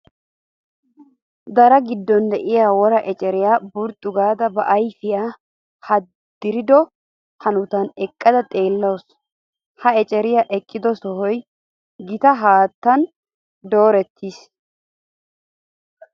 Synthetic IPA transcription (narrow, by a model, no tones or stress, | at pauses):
d̪ɐɾɐɡɪd̪ːɔnd̪ɛʔɪjaːwɔɾɐʔɛt͡ʃʼɛɾɪjaːbʊɾt̪ʼːʊɡaːd̪ɐbɐʔɐjfɪjaː | hɐ | d̪ːɪɾɪd̪ɔ | hɐnʊt̪ɐnɛkʼːɐd̪ɐt̪ʼe̞ːlːɐwɔs | hɐɛt͡ʃʼɛɾɪjaʔɛkʼːɪd̪ɔsɔɦɔj | ɡɪt̪ɐɦaːt̪ːɐn | d̪o̞ːɾɛt̪ʰːiːs